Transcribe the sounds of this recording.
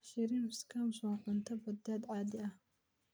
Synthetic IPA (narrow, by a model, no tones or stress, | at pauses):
ʃɪɾiːmskʰamsɔnʕʊnt̪ʰɐbɐd̪ːaːd̪ʕɑːd̪ɪʔɐh